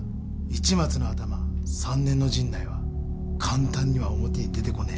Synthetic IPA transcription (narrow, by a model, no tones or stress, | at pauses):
it͡ɕimat͡sɨno̞at̪amasãnːẽ̞nːo̞ʑĩnːaiβa | kʰãnt̪ãɲ̟ːiβaomo̞t̪ed̪e̞t̪e̞ko̞ne